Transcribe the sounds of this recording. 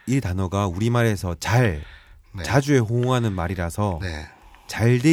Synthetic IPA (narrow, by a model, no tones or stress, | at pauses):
iɭtanʌɡauɾimaɾe̞sʰʌt͡ɕaɭ | t͡ɕad͡ʑue̞ɸoŋɦanɯnmaɾiɾasʰʌ | t͡ɕaɭde